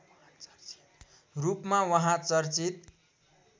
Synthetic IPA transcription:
rupmawʌɦãt͡sʌrt͡sit̪

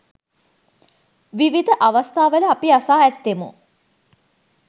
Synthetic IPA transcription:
ʋiʋid̪əʔaʋast̪ʰaːʋələapiasaːɛt̪ːemṵ

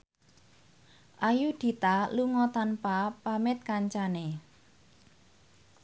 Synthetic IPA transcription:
ʔajud̪̥i̤t̪aluŋɔt̪anpapamɪt̪̚kaɲt͡ʃane

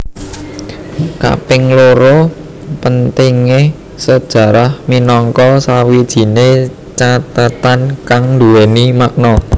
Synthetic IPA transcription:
ka̰pɪŋloɾo | pənt̪iŋe | səd̥ʒ̥ä̤ɾahminɔŋkɔsawid̥ʒ̥i̤ne | t͡ʃat̪at̪ankaŋnd̪uwenimak̚nɔ

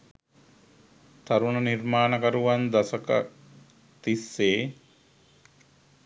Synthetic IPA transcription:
t̪aɾunənirmaːnəkəɾuʋand̪asəkə̰ | t̪isːeː

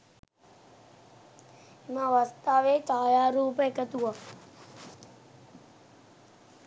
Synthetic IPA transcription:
imãʋəst̪aːʋet͡ʃaːjaɾuːpekət̪ua

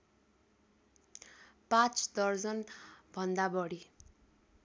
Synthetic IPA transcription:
pãt͡sd̪ʌrd͡zʌnbʱʌnd̪abʌɽi

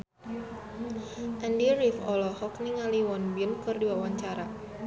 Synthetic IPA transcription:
ʔɛndiɾifɔlɔhɔkniŋaliwɔnbinkɨrdiwawaɲt͡ʃaɾa

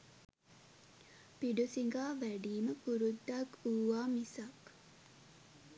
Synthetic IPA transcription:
piɖusiŋɡaːʋæɖiːməkuɾud̪ːakuːʋaːmisak

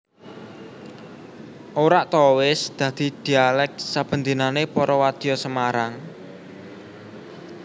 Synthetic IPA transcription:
ʔoɾaʔt̪owɪsd̪̥ä̤d̪̥i̤d̪̥i̤alɛk̚sab̥ə̤nd̪inanepɔɾɔwad̪̥ijɔsəmaɾaŋ

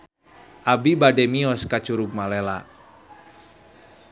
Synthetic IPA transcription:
ʔabibadɛmiɔskat͡ʃuɾuk̚malɛla̰

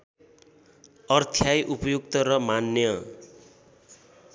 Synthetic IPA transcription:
ʌrt̪ʰjajʔupʌjukt̪ʌɾʌmanːjʌ

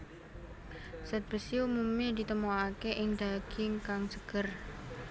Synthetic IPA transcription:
sɛt̪̚b̥əsiumumɲadit̪əmoakeʔɪŋdaɡ̥ɪŋkaŋsəɡ̥ər

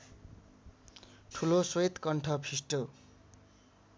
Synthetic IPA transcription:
ʈʰuloswʌjt̪kʌɳʈʰʌpʰisʈo

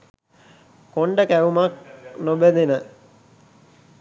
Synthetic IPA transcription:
koɳɖəkæumaknobəd̪enə

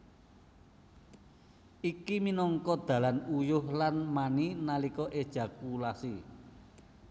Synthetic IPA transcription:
ikiminɔŋkɔd̪̥ä̤lanujʊhlanmaninalikɔʔed̥ʒ̥a̤kulasi

